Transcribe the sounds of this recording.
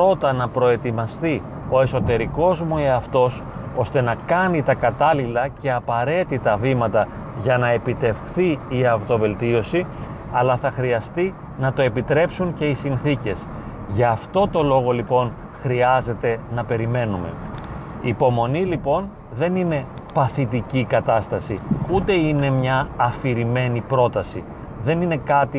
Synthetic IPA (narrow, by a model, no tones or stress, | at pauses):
pɾo̞t̪ɐnɐpɾo̞e̞t̪imɐst̪i | o̞e̞so̞t̪e̞ɾiko̞zmueɐft̪o̞s | o̞st̪e̞nɐkɐnit̪ɐkɐt̪ɐlilɐce̞ɐpɐɾe̞t̪it̪ɐvimɐt̪ɐ | ʝɐnɐe̞pit̪e̞fxθiiɐvt̪o̞ve̞lt̪io̞si | ɐlɐθɐxɾiɐst̪i | nɐt̪o̞e̞pit̪ɾe̞psuŋce̞isinθice̞s | ʝɐːft̪o̞t̪o̞lo̞ɣo̞lipo̞n | xɾiɐze̞t̪e̞nɐpe̞ɾime̞nume̞̰iːpo̞mo̞nilipo̞n | ðe̞nine̞ | pɐθit̪icikɐt̪ɐst̪ɐsiut̪e̞ine̞mɲɐːfiɾime̞nipɾo̞t̪ɐsi | ðe̞nine̞kɐt̪i